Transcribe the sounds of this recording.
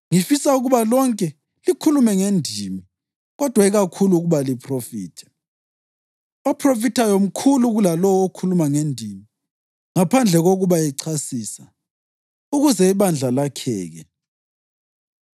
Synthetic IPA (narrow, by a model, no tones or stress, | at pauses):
ŋifisauɣuβalɔŋkʼɛ | likʰulumɛŋendʱimi | ɣɔd̥ʱwaiɣakʰuluɣuβalipʰrofiːtʰɛ̥ | ɔpʰrofitʰajom̩kʰuluɣulalɔwokʰulumaŋendʱimi | ŋapʰand͡ɮʱɛɣoɣuβajɛǀʰasiːsa | uɣuzɛiβand͡ɮʱalakʰɛ̰ːɣɛ